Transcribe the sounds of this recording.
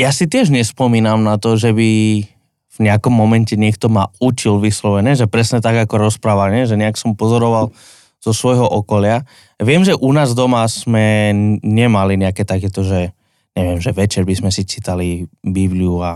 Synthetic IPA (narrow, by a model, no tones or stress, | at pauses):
jasit̪̬ɪɛʒɲɛspɔmiːnamnat̪ɔʒɛbi | vɲɛakɔmːɔmɛncɛɲɪɛkt̪ɔmaut͡ʃilʋislɔʋɛnɛːʒɛpɾɛsɲɛt̪aɡakɔɾɔspɾaːʋaɲɪɛʒɛɲɛaksɔmpɔzɔɾɔʋal | z̥ɔsʋɔjɦɔʔɔkɔlɪa | ʋɪɛmʒɛʔunaːzd̪ɔmaz̥mɛɲɛmaliɲɛakɛːt̪akɛːt̪ɔʒɛ | ɲɛʋɪɛmʒɛʋɛt͡ʃɛɾbizmɛsit͡ʃiːt̪alibibliua